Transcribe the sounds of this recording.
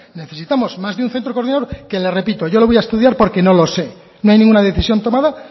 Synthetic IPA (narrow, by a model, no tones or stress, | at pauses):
ne̞θe̞sit̪amo̞zmazðeunθent̪ɾoko̞ɾðinaðoɾke̞le̞re̞pit̪o̞ʝo̞lo̞βojaest̪uðjaɾpo̞ɾke̞no̞lo̞se̞ | no̞ajnĩŋɡunaðe̞θisjo̞nt̪o̞maða